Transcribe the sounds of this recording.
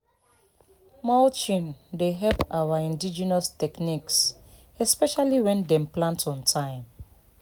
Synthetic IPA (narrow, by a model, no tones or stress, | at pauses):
malt͡ʃĩndeɦɛlpawaĩndid͡ʒɛnastɛkniks | ɛspɛʃaliwɛ̃ndɛ̃mplãntɔ̃ntʰãɪ̃m